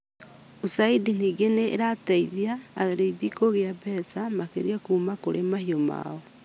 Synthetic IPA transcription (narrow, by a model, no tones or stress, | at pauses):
usaidin̥iːɡenḛːɾataiβjaːɣeɾeiβikoɣeabɛsamakeɾiakumakoɾemahioma̰o